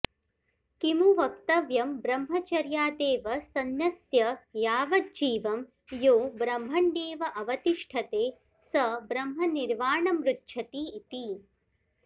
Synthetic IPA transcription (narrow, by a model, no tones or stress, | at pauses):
kimuʋɐkt̪ɐʋjɐmbɾɐmɦɐt͡ʃɐɾjaːd̪eːʋɐsɐnjɐsjɐjaːʋɐd̪̚d͡ʒiːʋɐm | joːbɾɐmɦɐɳɖeːʋɐʔɐʋɐt̪iʂʈʰɐt̪eː | sɐbɾɐmɦɐniɾʋaːɳɐmɾut̪ʃʰɐt̪iːt̪i